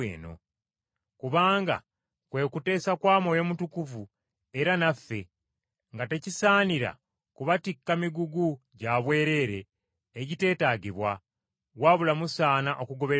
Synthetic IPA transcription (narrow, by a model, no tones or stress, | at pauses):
ḛːno̞̰ | kuβaːŋɡa̰ | kwe̞ːkute̞ːsakwaːmo̞jo̞mutukuvu | eɾanafːe̞ | ŋɡate̞cisaːniɾa̰ | kuβatikːamiɡuɡu | ɟaβwe̞ːɾe̞ːɾe̞ː | ɟite̞ːtaːɟiβwa | waβulamusaːnaʔo̞kuɡo̞βe